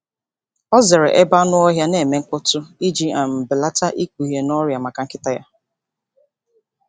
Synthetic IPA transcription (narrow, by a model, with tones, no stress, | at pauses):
ɔ˦ze˨ɾe˨ʔe˦ba˦nʊ˦ɔ˦ɦja˦ne˨me˨ŋ̩˦kʊ˦tʊ˦i˦d͡ʒi˦a˨m̩˨bɪ˨la˦ta˦ʔi˦ku˨ɦje˨nɔ˦ɾja˨ma˨ka˨ŋ̩˦kɪ˦ta˦ja̰˦